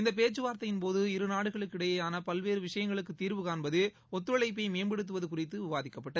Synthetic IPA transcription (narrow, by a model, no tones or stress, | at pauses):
ɪnd̪ɐp̬eːt͡ʃːɯʋaːɾt̪ɐjɪnpoːðɯɪɾɯnaːɽɯɣɐɭɯkːɪɽɐjɐjaːnɐpɐlʋeːɾɯʋɪʂɐjɐŋɡɐɭɯkːɯt̪ːiːɾʋɯkaːnbɐðɯ | ɔt̪ːɯɾɐɭɐɪp̬ːɐɪmeːmbɛɽɯt̪̬ːɯʋɐðɯkʊrɪt̪ːɯʊʋaːðɪkːɐpːɐʈːɐð